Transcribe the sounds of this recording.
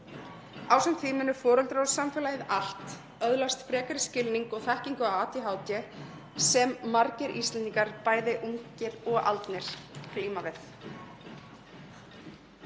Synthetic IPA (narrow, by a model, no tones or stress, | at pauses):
aːwsɛmtθiːmɪnʏfɔːɾœlt̪ɾawsamfɛːlajɪðal̥t̪ | œðlast̪fɾɛːkaɾɪscɪlniŋkɔɣθɛhciŋkʏawaːt̪jiɦaːwt̪jɪ | sɛmːaɾcɪɾʔist̪ɛnt̪iŋkaɾ̥paːjðɪʔuɲcɪɾɔɣa̰lt̪nɪɾ̥kliːmavɪθ